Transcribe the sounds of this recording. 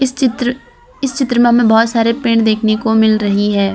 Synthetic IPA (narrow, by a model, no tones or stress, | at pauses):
ɪsɪt̪ɾ | ɪst͡ʃɪt̪ːɾəmẽɦəmẽbɔːt̪saːɾepeːɳd̪eːkʰnekomɪlɾɐɦiɦɛː